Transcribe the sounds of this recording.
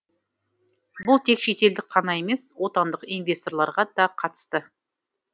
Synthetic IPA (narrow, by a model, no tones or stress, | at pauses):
bʊlˠt̪ʰe̞kʃe̞t̪e̞ld̪ɪk̚qʰɑnɑe̞me̞swo̞t̪ɑnd̪əqijnvʲe̞st̪o̞rlˠɑɾʁɑd̪ɑqʰɑt̪ə̥st̪ə